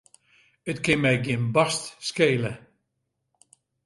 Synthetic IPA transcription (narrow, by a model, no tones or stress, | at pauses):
ətkɪnmɛjɡɪnbɑstskeːlə